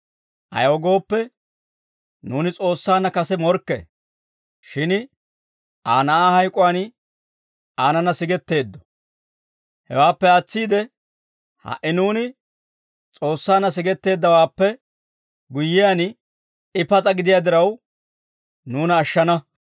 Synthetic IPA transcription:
ʔɐ̰jɔɡo̞ːpːɛ | nuːnɪt͡sʼo̞ːsːaːnːɐkɐsɛmɔɾkːɛ̰ | ʃɪn | ʔaːnɐahɐjkʼʊwan | aːnɐnɐsɪɡɛt̪ːe̞ːd̪ːɔ̥ | hɛ̰waːpːɛɐt͡sːiːd̪ɛ | hɐ̰ʔɪnuːnɪ | t͡sʼo̞ːsːaːnːɐs̬ɪɡɛt̪ːe̞ːd̪ːɐwaːpːɛ | ɡʊjːɪjan | ɪpɐt͡sʼɐɡɪd̪ɪjaːd̪ɪɾɐw | nuːnɐːʃːɐnɐ

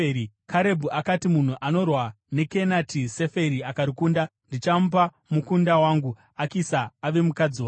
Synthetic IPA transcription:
i | kʰaɾe̞bʱuʔakatimun̤uʔano̞rwa | ne̞ke̞natʰise̞fe̞ɾiakaɾikuːndandit͡ʃamup̬a | mukundawaːŋɡu | akisaːʋemukad͡zio

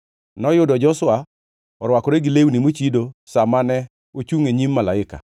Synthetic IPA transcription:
nɔjʊdɔd͡ʒɔsʊwa | ɔɾwakɔɾeɡɪlewnimot͡ʃidosamanɛ | ot͡ʃuŋeɲimːalaɪka̰

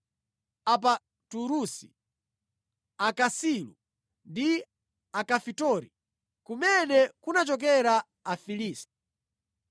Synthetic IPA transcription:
ap̬a | tuɾusi | akasilṵ | ndi | akafitɔɾi | kumɛnɛkunat͡ʃɔk̬ɛɾaː | filiːsti̥

